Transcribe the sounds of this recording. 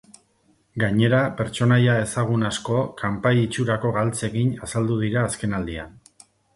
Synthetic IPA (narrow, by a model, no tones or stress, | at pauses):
ɡaɲe̞ɾape̞ɾt͡ʃo̞najae̞saɣ̞unasko̞kʰampajit͡ʃuɾako̞ɣalt͡se̞ɣiɲasald̪uð̞iɾaːske̞nald̪ia̰n